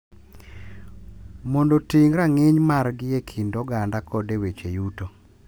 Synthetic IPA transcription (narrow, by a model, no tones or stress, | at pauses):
mondotiŋɾaŋɪɲmaɾɡɪjekʰindɔɡandakɔdewet͡ʃejuto